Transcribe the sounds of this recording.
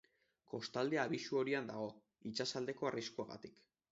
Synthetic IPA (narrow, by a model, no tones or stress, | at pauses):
ko̞st̪ald̪eaːβisuo̞ɾiand̪aɣ̞o̞ | it͡ʃasald̪e̞ko̞ariskuaɣa̰t̪ik